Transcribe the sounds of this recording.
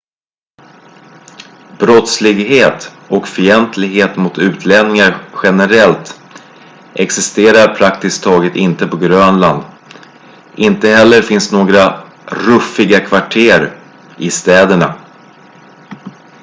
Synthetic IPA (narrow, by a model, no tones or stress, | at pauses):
bɾɔt̪slɪɡɦeːt̪ | ɔkfʏɛnt̪lɪɡɦeːt̪mʊt̪ʉ̟ːt̪ʰlɛnnɪŋaɾɧɛnəɾɛlt̪ | ʔɛksɪst̪eːɾaɾpʰɾakt̪ɪskt̪ʰɑːɡət̪ɪnt̪əpɔɡɾøːnland̪ | ʔɪnt̪əɦɛlːəɾfɪnsnoːɡɾa | ɾɵfɪɡakʰvaʈʰeːɾ | ɪst̪ɛːd̪əɳa